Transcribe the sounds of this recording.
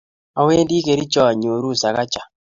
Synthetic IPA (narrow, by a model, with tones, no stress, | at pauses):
a˨we˦ndi˦ke˨ɾi˦t͡ʃɔ˦a˨ɲo˨ɾu˦˨sa˨ka˦t͡ʃa˨